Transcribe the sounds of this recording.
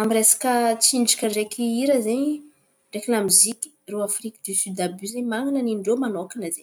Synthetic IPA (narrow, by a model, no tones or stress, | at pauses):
amiresḁkət͡siɳɖ͡ʐḁkʲəɳɖ͡ʐekiiɾəzeɲ | ɖ͡ʐekinamiziki̥ruafrikəd̪ysyd̪abyzeɲmaŋanəninɖ͡ʐomanokinəzeɲ